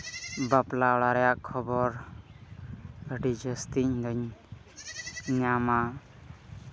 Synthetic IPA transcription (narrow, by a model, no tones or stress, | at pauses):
baplaɔɽaɾɛjaʔkʰːɔbɔɾ | ɡʱəɖid͡ʒəst̪iɲd̪ɔɲ | ɲama